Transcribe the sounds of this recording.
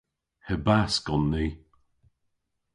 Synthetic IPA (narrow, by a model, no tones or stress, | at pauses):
həbaskɔnːiː